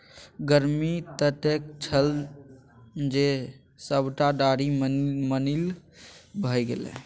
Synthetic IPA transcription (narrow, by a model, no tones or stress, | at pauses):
ɡəɾmit̪ət̪ek̚t͡ʃʰəl | d͡ʒe | səbʈaɖaɽimmənil | bʱəjɡḛlɛ̰̃